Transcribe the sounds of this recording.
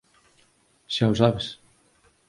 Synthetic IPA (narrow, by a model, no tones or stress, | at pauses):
ʃawsaβes